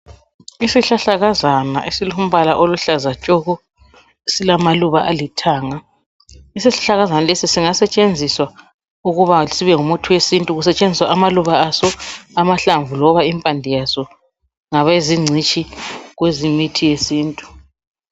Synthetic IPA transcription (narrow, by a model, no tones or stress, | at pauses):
isiɬaɬaɣazana̰ʔesilium̩βalaʔoluɬazat͡ʃʼɔɣɔ | esilamaluβaʔalitʰaːŋa | isiɬḁɬaɣazanalesisiŋasɛt͡ʃʼend͡zʱiswa | uɣuβaisiβɛŋumutʰuwesintʼuɣusɛt͡ʃʼend͡zʱiswaʔamaluβaːsɔamaɬaɱvulɔβaimpʼandʱijasɔ | ŋaβeziŋ͡ǀʱit͡ʃʼiɣwezimitʰijesiːntʼu